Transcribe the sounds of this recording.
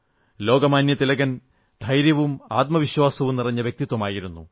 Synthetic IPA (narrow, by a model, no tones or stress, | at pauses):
lo̞ːɡɐmaːnjɐt̪ilɐɣɐn | d̪̥ʱɐjɾjɐʋumaːt̪̚mɐʋiɕwaːsɐʋumnirɐɲːɐʋjɐk̚t̪it̪wɐmaːjiɾunːṵ